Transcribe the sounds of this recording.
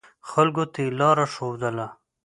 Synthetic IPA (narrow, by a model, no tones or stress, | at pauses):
xalɡot̪elɑɾaʂowd̪əla